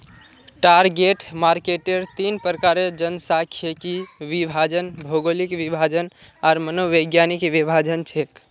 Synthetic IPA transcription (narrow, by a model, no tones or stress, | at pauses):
ʈaɾɡeʈmaɾkeʈeɾt̪inpɾəkaɾed͡ʒənsakʰijəkiʋibʱad͡ʒənbʱoɡolikʋibʱad͡ʒən | aɾmənoʋəɡjanikʋibʱad͡ʒənt͡ʃʰek